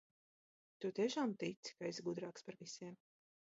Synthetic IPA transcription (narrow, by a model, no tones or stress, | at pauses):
t̪ut̪iɛʃaːmt̪it̪si̥kaizɡud̪ɾaːkspaɾvisiɛm